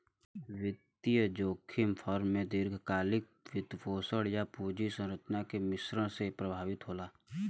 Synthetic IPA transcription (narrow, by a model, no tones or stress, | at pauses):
wɪt̪ɪjəd͡ʒoːkʰɪmpʰɔɾmːẽd̪ɪɾɡʱkaːlɪk̚ | ʋɪd̪poːsəɽjapuːd͡ʒisə̃ɾət͡ʃnakemɪsɾə̃ɽsepɾəbʱaːʋɪt̪ɦoːlaː